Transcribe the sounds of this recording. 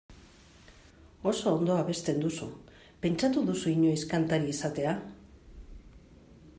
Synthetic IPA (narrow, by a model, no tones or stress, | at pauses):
o̞so̞ːnd̪o̞aβe̞st̪e̞nd̪usu | pe̞nt͡ʃat̪uðusuiɲo̞iskant̪aɾiesat̪e̞a